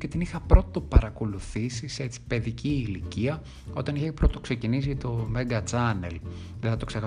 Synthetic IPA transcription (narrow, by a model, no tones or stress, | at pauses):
ce̞t̪inixɐpɾo̞t̪opɐɾɐko̞luθisise̞t͡si̥pe̞ðiciːliciɐ | o̞t̪ɐniçepɾot̪ːokse̞cinis̬it̪o̞meŋɡɐt͡sɐne̞̰l | ðeθɐt̪oksexɐ